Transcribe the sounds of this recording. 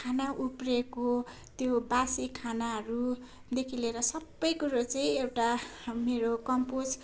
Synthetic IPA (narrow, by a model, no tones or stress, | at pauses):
kʰanaʔupreko | t̪jobasikʰanaɦʌɾu | d̪ekʰileɾʌsʌbːʌjkuɾot͡saĩewʈameɾokʌmpos